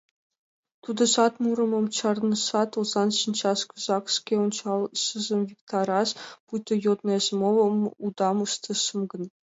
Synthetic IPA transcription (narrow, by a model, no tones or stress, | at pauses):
t̪ud̪ɤ̆ʃɑt̪muɾɤ̆mɤ̆mt͡ɕʰɑrnɤ̆ʃɑt̪olˠzɑnɕinʲt͡ɕɑskuzɑkʂkʲeunt͡ɕɑlˠɕɯzɤ̆mvʲikt̪ɑɾɑʂput̪ʲɤ̆jot̪neʑmovɤ̆mud̪ɑmɯʃt̪ʰɤ̆ʃɤmɡɤ̆n